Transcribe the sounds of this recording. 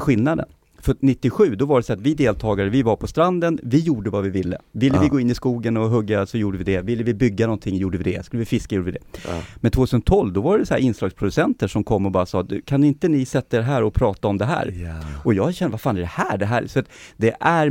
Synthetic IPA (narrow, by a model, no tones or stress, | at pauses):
ɧɪlnad̪ə̰n | fœnɪt̪ːɪɧʉ̟ːd̪ɔvaɖɛsɔːat̪vɪd̪eːlt̪ʰɑːɡaɾəvɪvaɾpʰɔst̪ɾand̪ənvɪjuːɖəvavɪvɪlːə̰vɪlːəvɪɡoːɪnːɪskuːɡənɔɦɵɡːasɔjuːɖəvɪd̪ɛvɪlːəvɪbʏɡːanɔnt̪ʰɪŋːjuːɖəvɪd̪ɛskɵləvɪfɪskajuːɖavɪd̪ɛ̰mɛnt̪ʰvoːt̪ʰʉsənt̪ʰɔlvd̪ɔvaɖɛsæ̰ːɾɪnslɑːɡspʰɾʊd̪ɵsɛnt̪əʂɔmkʰɔmːɔbɑːɾasɑːd̪ʉ̰kʰanɪnt̪ənɪsɛt̪ːəɖ̪ɛɦæːɾɔpʰɾɑːt̪aɔmd̪ɛɦæ̰ːɾɔjɑːɕɛnəvaɾfaːnɛɖɛhæːɖɛɦæːɾsɔat̪d̪ɛʔæɾ